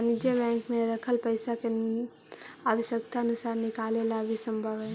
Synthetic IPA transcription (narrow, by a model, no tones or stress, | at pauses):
nɪd͡ʒebɛ̃ːŋkmẽɾəkʰəlpəɪsake | aːʋəʃjək̚t̪aənʊsaːɾnɪkaːlelabʱisə̃mbʱəʋɛ